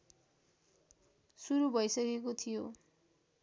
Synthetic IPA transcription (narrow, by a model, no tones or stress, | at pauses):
suɾubʱʌjsʌkekot̪ʰijo